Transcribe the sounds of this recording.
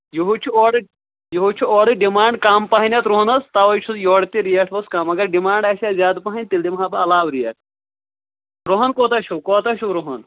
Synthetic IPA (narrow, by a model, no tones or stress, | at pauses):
juɦut͡ʃʰuoːɽɨ | joɦut͡ʃʰuoːɽɨɖimaːɳɖkaːmpɐɦɐnʲɐt̪ɾoɦnɐst̪aʋɐjt͡ʃʰuzjoːɽt̪iɾijɐʈʰbɐskaːmɐɡɐɾɖimaːɳɖɐʃaːzʲaːd̪pɐɦɐnʲt̪ild̪imɦabɐɐlaːwɾijɐʈ̚ʰ | ɾoɦɐnkoːt̪ɐt͡ʃʰukoːt̪ɐʃʰuɾoɦɐn